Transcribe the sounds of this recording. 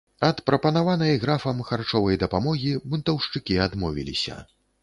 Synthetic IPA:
ɐt̪pɾɐpɐnavanɐjɣɾafɐmxart͡ʂɔvɐjd̪ɐpamɔɣʲibunt̪ɐwʂt͡ʂɨkʲiad̪mɔvʲḭlʲḭsʲɐ̰

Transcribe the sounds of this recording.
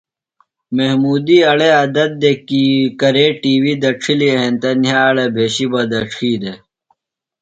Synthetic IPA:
meɦmuːd̪iːɐɭeɐd̪ɐt̪̚d̪ekikɐɾeːʈiːwiːd̪ɐʈ͡ʂʰilieɦent̪ɐnjaːɭebʱeːɕibɐd̪ɐʈ͡ʂʰiːd̪e

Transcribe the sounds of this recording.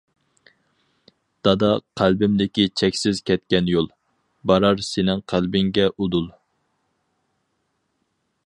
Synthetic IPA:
d̪̥ɑd̪ɑqʰælbɪmd̪ɪkʲit͡ʃʰɛkʲsɪzkʲʰɛt̪̚kʲɛnjolˠ | bɑɾɑɾsenɪŋqʰælbɪŋɡʲɛʔud̪ulˠ

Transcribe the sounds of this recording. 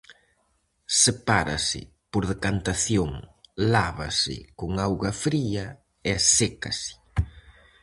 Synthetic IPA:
sepaɾɐ̰sɪ̰ | poɾðekant̪aθjoŋlaβɐ̰sɪ̰koŋawɣɐfɾiɐ | easekɐ̰sɪ̥

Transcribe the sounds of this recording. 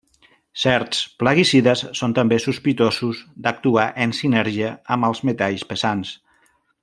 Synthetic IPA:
sɛɾt̪spləɣisiðəssːont̪əmbesuspit̪ozuzd̪ək̚t̪uaʔənsinɛɾʒiəəməlˠzmet̪aʎspəzans

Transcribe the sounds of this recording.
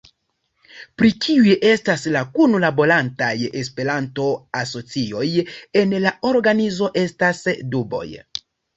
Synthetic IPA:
pɾikʰiujʔe̞staslakunlabo̞ɾantajes̬pe̞ɾanto̞aso̞t͡sio̞je̞nlaʔo̞ɾɡanizo̞ʔe̞stasdubo̞̰j

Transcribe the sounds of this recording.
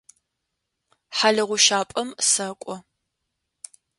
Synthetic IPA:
ħaɮɐʁʷʊʃaːpʼɐmsɐkʷʼɔ

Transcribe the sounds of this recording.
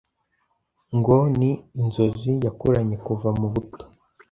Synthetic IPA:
ŋɡoniːnzo̞zijakoɾaɲe̞kuvamuβuto̥

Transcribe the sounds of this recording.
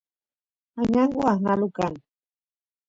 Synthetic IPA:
aɲaŋɡuahnalukan

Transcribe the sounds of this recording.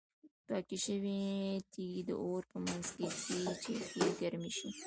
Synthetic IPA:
pɑkiʃəwit̪ʰiɡd̪ə̰ʔoɾpəmanzkek̪ʰet͡ʃet̪iɡaɾmiʃi

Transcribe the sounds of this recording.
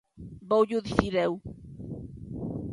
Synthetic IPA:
bowʎuðiθiɾɛw

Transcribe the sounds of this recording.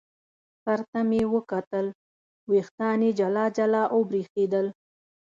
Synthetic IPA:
saɾt̪amewəkat̪əl | wext̪ɑned͡ʒalɑd͡ʒalɑʔobɾixed̪əl

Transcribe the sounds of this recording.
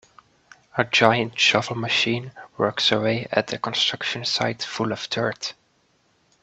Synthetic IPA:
əd͡ʒaɪɨ̃ntʃʌvl̩ˠməʃĩnwɜ˞ksəweɪɨ̰t̪̚ðɨkə̃nstɹ̥ʌkʃɨ̃nsaɪtfʊlʌv̥tʰɜ˞t

